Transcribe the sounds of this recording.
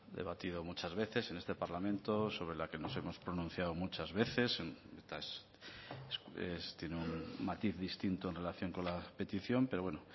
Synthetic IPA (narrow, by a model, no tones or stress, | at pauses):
d̪eβat̪ið̞o̞mut͡ʃazβe̞θe̞se̞ne̞st̪e̞paɾlamẽnt̪oso̞βɾe̞lake̞no̞se̞mo̞spɾo̞nũn̟θjawmut͡ʃazβe̞θe̞sest̪aes | sest̪jeneummat̪iθðist̪int̪oe̞nre̞laθjo̞ŋko̞nlape̞t̪iθjo̞mpe̞ɾo̞βweno